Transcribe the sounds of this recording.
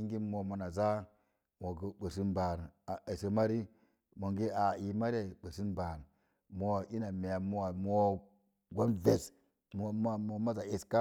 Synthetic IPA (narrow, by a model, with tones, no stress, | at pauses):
i˦ŋɡi˦mo˨mo˨na˨za˦ | wo˨ɡə˨bə˨si˦nba˨ɾa˨e˨se˨ma˦ɾi˦ | mo˨ŋɡi˦a˨i˨ma˦ɾe˨ɓə˨si˦nba˨ɾ | mo˦˨ʔi˦na˨me˨ja˨mo˦wa˨mo˦ | ɡo˦nve˨s | mo˨m˦˨mo˨ma˦za˨e˨ska˦